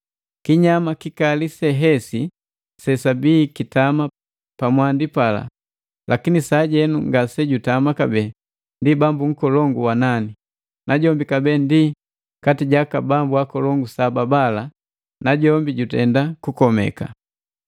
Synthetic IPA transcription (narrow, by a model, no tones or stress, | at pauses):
kiɲamakikalisɛɦɛsi | sɛsabiːkitama | pamwandipala̰ | lʔakinisaɟɛnuŋɡasɛɟutamakabɛ | ndibambuŋ̩kɔlɔŋɡuwanani | nʔaɟɔmbikabɛːndi | katiɟakabambuakɔlɔŋɡusababala | naɟɔmbiɟutɛndakukɔmɛ̰ka̰